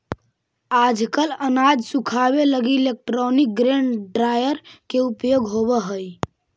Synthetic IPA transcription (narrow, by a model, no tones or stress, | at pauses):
ad͡ʒkələnad͡ʒʱsukʰabeləɡilek̚ʈɾɔnik̚ɡɾeɳɖɾajəɾkeupjoɡɦoβeɦəj